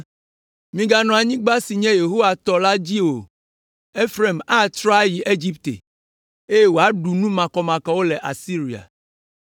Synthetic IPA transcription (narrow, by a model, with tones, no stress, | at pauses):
mĩ˨ɡa˦nɔ̃˨a˨ɲĩ˦ɡ͡ba˦si˨ɲɛ̃˦je˨ɦo˦wa˨t̪ɔ˨la˦d͡ʑi˦o˨ | e˦fɾe˦˨ma˦˨t̪ɾɔ˦a˦ji˨ʔe˦d͡ʑi˦pt̪ḛ˨ | e˦je˦wo˨a˦ɖu˨nũ˦mã˨kɔ˨mã˨kɔ˨wo˦lɛ˨ʔa˨si˦ɾi˨a̰˨